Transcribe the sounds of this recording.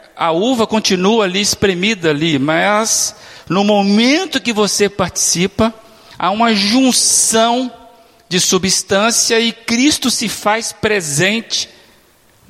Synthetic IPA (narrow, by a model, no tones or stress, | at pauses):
ɐuvɐkõnt͡ʃinuɐliɪspɾemid̪ɐlimɐz | nʊmomẽnt̪ʊkɪvosepaɾt͡ʃi̥sipɐ | a̰ũmɐʒũsɐ̃w̃ | d͡ʒɪsubist̪ɐ̃sijɐɪkɾist̪ʊsɪfaspɾezẽnt͡ʃɪ̥